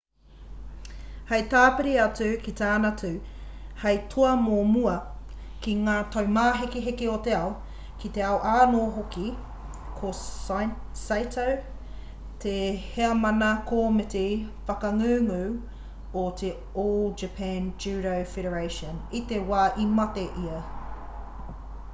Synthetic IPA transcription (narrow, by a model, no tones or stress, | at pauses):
hɐjtaːpɪɾiɐt͡sʉkit̪aːnɐtʉhɐjtʰoɐmomuɐ | kiŋaːt̪ʰɐwmaːɦekeɦekeot̪e̞ɐo | kit̪e̞aoʔaːnoːɦoki | kʰo | sajtʰɐw | tʰeheɐmɐnɐkʰoːmetifɐkɐŋʉːŋʉː | ot̪ʰe | oːld͡ʒɐpʰɛnd͡ʒʉɾowfeɾəɹejʃənit̪ewaːʔimɐteʔiɐ